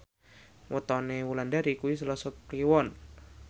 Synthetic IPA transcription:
wət̪ɔnewulandaɾikuwis̬əlɔsɔkkliwɔn

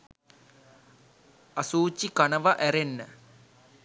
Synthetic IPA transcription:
ɐsuːt͡ɕːikɐɳɐʋɐʔeɾenːɐ

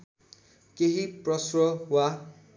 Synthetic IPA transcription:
keɦiprʌsrʌwa

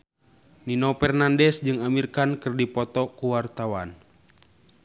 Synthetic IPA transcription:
ninɔpɛrnandɛsd͡ʒɨŋamirkankɨrdipɔt̪ɔkuwart̪awan

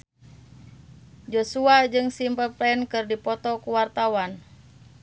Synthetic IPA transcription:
d͡ʒosuad͡ʒɨŋsimpəplɛɛnkɨrdipɔt̪ɔkuwart̪awan

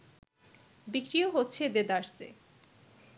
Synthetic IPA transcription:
bikɾioɦotːɕʰed̪ed̪aɾsḛ

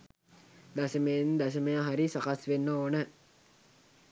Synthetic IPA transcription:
d̪asəmejnd̪as̬əməjaɦaɾisakasʋenːəoːnə

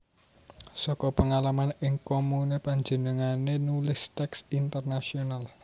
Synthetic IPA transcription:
sɔkɔpəŋalamanɪŋkomunepaɲd͡ʒə̤nəŋanenulɪst̪ɛksint̪ərnasional

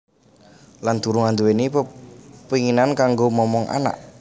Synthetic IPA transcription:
land̪̥uɾuŋand̪uwenipəpiŋinankaŋɡomɔmɔŋʔa̰na̰ʔ

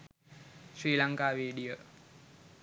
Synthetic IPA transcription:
ʃɾiːlaŋkaːʋeːɖijə

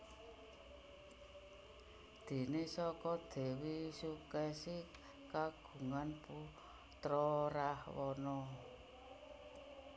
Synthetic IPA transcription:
d̪̥e̤nesɔkɔd̪̥e̤wisukɛsi | kaɡ̥ṳŋanpu | t̪ɾɔɾahwɔnɔ

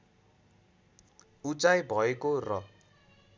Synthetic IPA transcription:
ut͡sajbʱʌekorʌ

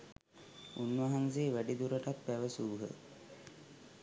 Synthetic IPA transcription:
unʋaɦanseːʋæɖid̪uɾəʈat̪̚pæʋəsuːɦə̰

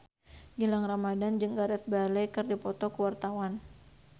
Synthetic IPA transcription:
ɡilaŋramadand͡ʒəŋɡaɾɛt̪̚balɛkɨrdipɔt̪ɔkəwart̪awan

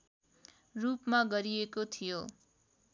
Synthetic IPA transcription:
rupmaɡʌɾiekot̪ʰijo

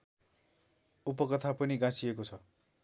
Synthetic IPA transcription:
upʌkʌt̪ʰapʌniɡãsiekot͡sʰʌ

